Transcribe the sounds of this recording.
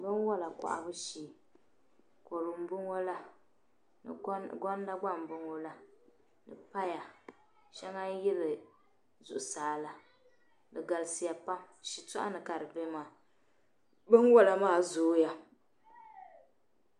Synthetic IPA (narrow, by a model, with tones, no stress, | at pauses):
bɨ˦nwɔ˦la˨ka̰˨ʔa̰˨bɨ˦ʃiː˨ | ko˨lʊ˨m̩˦bʊ˦ŋo˦la˦ | n˨˦ɡɔ˦n˦da˦ɡ͡ba˦˨m̩˨bʊ˦ŋo˦la˦ | nɨ˨pa˦ja˨ | ʃɛ˦ŋa˦jɪ˦lɨ˨ | zʊ˨ʔʊ˨saː˨˦la˨ | nɨ˨ɡa˨lsi˦ja˨pa˦m | ʃi˨tɔ̰˦ʔa̰˦nɨ˨ka˨ɾɨ˨be˦maː˨ | bɨ˦nwɔ˦la˨maː˦˨zoː˨˦ja˦